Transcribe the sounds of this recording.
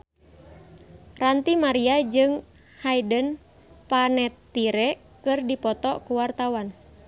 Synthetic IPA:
rant̪imaɾiad͡ʒɨŋ | hajdən | panɛt̪ːiɾɛ | kɨrdipɔt̪ɔkuwart̪awan

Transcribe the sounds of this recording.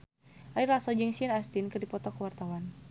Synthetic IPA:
ʔalilasɔd͡ʒɨŋsianast̪inkɨrdipɔt̪ɔkəwart̪awan

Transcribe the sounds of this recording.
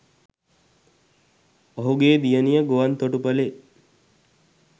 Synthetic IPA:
oɦuɡeːd̪ijənijəɡoʋant̪oʈupəle

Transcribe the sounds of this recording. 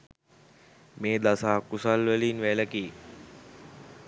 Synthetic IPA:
meːd̪asaːkːusalʋæliːnʋæləkiː

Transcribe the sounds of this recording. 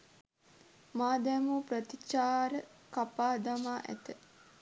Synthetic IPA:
maːd̪ɛmupɾət̪it͡ʃaːɾəkapaːd̪amaːʔæ̰t̪ə

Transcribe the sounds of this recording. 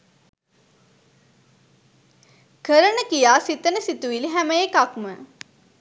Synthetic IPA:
kəɾənəkijaːsit̪ənəsit̪uʋiliɦæməjekakmə

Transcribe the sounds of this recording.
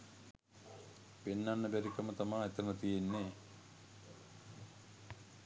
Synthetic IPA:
penːanːəbæɾikɐmət̪amaːet̪əmət̪ijenːeː

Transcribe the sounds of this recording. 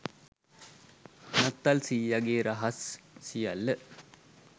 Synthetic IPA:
nɐt̪ːɐlsiːjaɡeːɾɐɦɐsːija̰lːə

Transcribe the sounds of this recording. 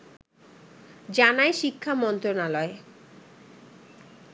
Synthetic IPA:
d͡ʑanaeʃikʰːamɔnt̪ɾonalɔe

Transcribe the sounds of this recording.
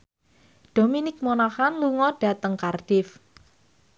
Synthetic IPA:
d̥o̤minɪk̚monahanluŋɔɖ̥a̤t̪əŋkarɖ̥ɪf

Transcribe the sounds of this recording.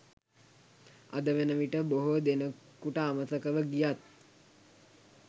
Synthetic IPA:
a̰d̪əʋenəʋiʈəboɦod̪enəkuʈəaməsəkəʋəɡijat̪̚

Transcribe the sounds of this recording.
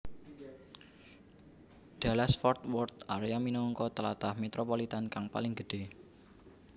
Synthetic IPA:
ɖ̥alasfɔrt̪wɔrt̪aɾeaminɔŋkɔt̪əla̰t̪ahmet̪ɾopolit̪ankaŋpa̰lɪŋɡə̤ɖ̥e̤

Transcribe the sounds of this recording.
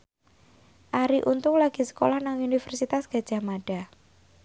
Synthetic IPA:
ʔaɾiʔunt̪ʊŋlaɡ̥i̤sə̥kolɔhnaŋunifərsit̪asɡ̥a̤d̥ʒ̥a̤maɖ̥a̤

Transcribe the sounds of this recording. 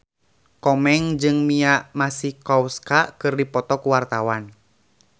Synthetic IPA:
kɔmɛŋd͡ʒɨŋmiaʔmasihkɔwskakɨrdipɔt̪ɔkuwart̪awan

